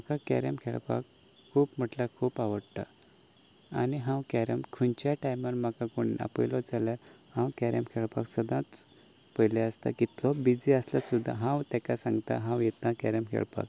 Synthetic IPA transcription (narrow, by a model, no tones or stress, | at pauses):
məkakɛ̰ɾəmkʰeɭpa̰k | kʰːuːpm̤əʈlakʰuːpaʋəɽt̪a̰ | aniɦãwkɛɾəmkʰunt͡ɕjaʈajməɾmakakuɳia̰pəjlɔd͡zaljaɾ | hãwkɛɾəmkʰeɭpaksəd̪ãt͡s | pəjleəst̪a̰kit̪lɔbid͡ziəslasud̪ʱːa̰ɦãwt̪ɛkasãŋɡt̪a̰ɦãwjet̪nakɛɾəmkʰɛ̰ɭpa̰k